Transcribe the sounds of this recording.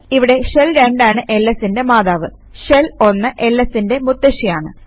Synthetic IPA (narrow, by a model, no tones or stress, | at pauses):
iʋiɽe̞ʂelɾeɳɖaːɳɨʔe̞lːesinde̞maːðaːʋɨ | ɕelo̞nːɐʔe̞lːesinde̞mut̪ːɐɕijaːɳɨ